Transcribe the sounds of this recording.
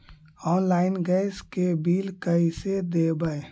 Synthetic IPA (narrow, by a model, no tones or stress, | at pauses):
ɔːnlaːɪnɡɛɪskebiːlkəised̪ebəe